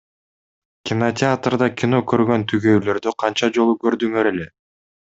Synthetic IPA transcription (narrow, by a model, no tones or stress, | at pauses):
kʲɪnotʲɪat̪rd̪ɑkʲino̞køɾɡø̞nt̪ʰyɡø̞jlø̞ɾd̪øqʰɑnt͡ʃɑd͡ʒo̞lˠukø̞ɾd̪yŋøɾe̞le̞